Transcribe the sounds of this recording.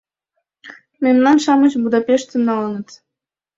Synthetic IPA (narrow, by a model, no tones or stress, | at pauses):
menʲnɑnʃɑmɤ̆ɕbud̪ɑpʲeʂt̪ə̆nːɑlˠɤ̆nɤ̆t̪